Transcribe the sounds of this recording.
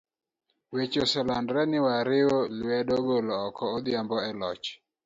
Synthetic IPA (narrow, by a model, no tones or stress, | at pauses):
wet͡ʃosɛlandɾɛnɪwaɾɪoluɛɗɔɡolɔːkɔːd̪ɪambɔɛlɔt͡ʃ